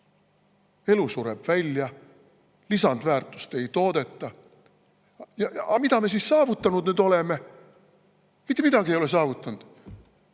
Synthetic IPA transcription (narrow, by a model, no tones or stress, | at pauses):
e̞lusuɾe̞b̥vælʲjɑ | lisɑnd̪væːrt̪ːˑu̥st̪e̞jt̪o̞ːd̪̥e̞t̪ˑːɑ | jɑʔɑmid̪ɑme̞s̬iːssɑːvut̪ːˑɑnud̪nyːd̪o̞leme | mit̪ːemid̪ɑɡ̥iejo̞les̬ɑːvut̪ːˑɑnd̪̥